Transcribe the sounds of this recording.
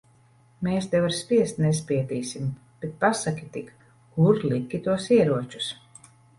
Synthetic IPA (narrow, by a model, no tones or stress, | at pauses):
meːsd̪ɛvaɾspʲiɛst̪ʲnes̬pʲiɛt̪iːsʲim | b̥et̪̚pasakʲit̪ik | kuɾlˠikʲit̪uɔsiɛɾuɔt͡ʃu̥s